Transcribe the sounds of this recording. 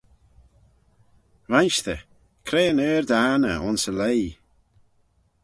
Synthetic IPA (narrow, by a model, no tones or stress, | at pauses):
vanʃtə | kʰɾeːəneːɹd̪aːnə̰ʔʊnsəlej